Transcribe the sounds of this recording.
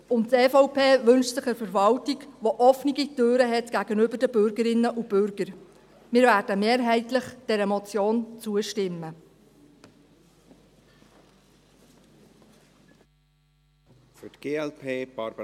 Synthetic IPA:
ʊnttɛːfɔʊpʰeːʋɵnʃsɪχəɾfəɾvɑltiɡʋoʔɔfniɡitøːɾəɦɛtɡ̥æɡənʏbəɾdəbʏɾɡəɾɪnːəʔub̥ʏɾɡ̥əɾ | mɪːɾvæːɾd̥əmeːɾɦɛɪtlɪχd̥ɛɾəmɔt͡sjoːnt͡suəʃtɪmːə | fytɡ̥eːɛlpʰeːb̥ɑɾb

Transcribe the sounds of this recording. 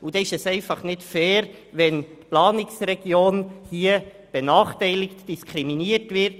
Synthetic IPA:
ud̥̪ɛɪʃɛsɛɪfɑχnɪtfɛːɾ | ʋɛntplɑːnɪksrɛɡ̥joːnhiːə | b̥ɛnɑːχtɛɪlɪktd̥iskʰɾiminiətvɪɾt

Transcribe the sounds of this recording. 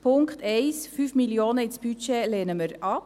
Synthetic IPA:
pʰʊŋkχtʰɛɪsfyːfmiljoːnəɪsb̥yt͡ʃeleːnəməɾɑp

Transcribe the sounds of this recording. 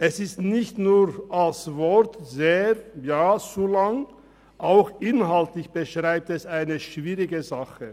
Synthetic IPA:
ʔɛsɪstnɪçtnuːʁalsvɔʁtzeːʁjaːt͡sulaŋ | ʔaʊxʔɪnɦaltlɪçb̥əʃʁ̥aɪp̚tɛsaɪnəʃv̥iːʁɪɡəzaχə

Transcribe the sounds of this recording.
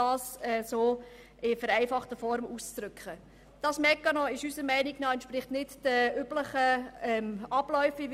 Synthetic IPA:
ɑːsɛsoː | ɪfəɾæɪfɑχtəfɔɾmuːst͡sɾʏkχə | d̥ɑːsmɛkːənɔɪʃysəɾmæɪnɪknɑɛntʃpɾɪχtnɪtd̥əybləχəɛmɑb̥lœʏfɪʋ

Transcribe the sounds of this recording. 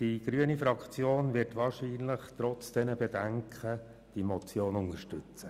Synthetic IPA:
d̥iɡ̥ɾyənifɾɑkt͡sjoːnʋɪɾtʋɑːɾʃiːnləχtɾɔt͡sd̥ɛnəbɛdɛŋkʰχə | d̥imɔt͡sjoːnʊnəʃtʉt͡sə

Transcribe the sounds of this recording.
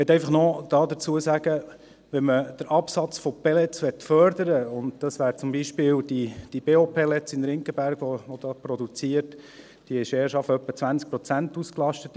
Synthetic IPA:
ʋɛt̪ːɛɪfɑχnɔd̥ɑːd̪ət͡suəsæɡ̥ə | ʋɛnməd̥əɾʔɑpsɑt͡sfɔpɛlɛt͡sʋɛtfœɾd̪əɾəʊnd̪dɑsʋæːɾt͡sʊmbiʃpɪːld̥id̥ib̥eːopʰelɛt͡sɪnɾɪŋkəbæɾɡ̥ʋɔʋɔd̥̪ɑːpɾɔdut͡siəɾt | d̥iɪʃeːʃɑfœpːət͡sʋænt͡sk̚pɾɔt͡sæntusklɑʃtət̪

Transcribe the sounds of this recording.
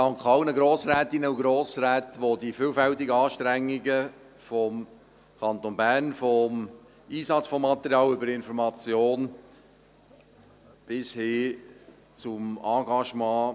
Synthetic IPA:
d̥ɑŋkχɑlnəɡɾoːsɾɛːt̪ɪnəuɡɾoːsɾɛːtʋodifyːlfɛltɪɡəɑːʃtɾɛŋːiɡə | fɔm | kʰɑnt̪onbæːnfɔm | iːsɑt͡sfɔmːɑt̪əɾjɑːlʏbəɾɪnfɔɾmɑt͡sjoːn | b̥ɪshɪ | t͡sʊmɑːɡɑʃmɑ̃ː

